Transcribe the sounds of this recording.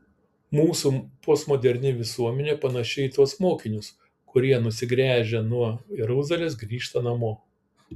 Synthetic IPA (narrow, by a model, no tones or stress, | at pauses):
muːsupoːsmɔːd̪ʲɛɾʲnʲɪʋʲɪsuɔmʲɛnʲeːpɐnɐʃʲɛɪit̪uɔsmoːkʲɪnʲʊs | kʊɾʲiɛnʊsʲɪɡɾʲæːʒʲɛnuɔjɛɾʊzɐlʲeːs̬ɡɾʲiːʃt̪ɐnɐmoː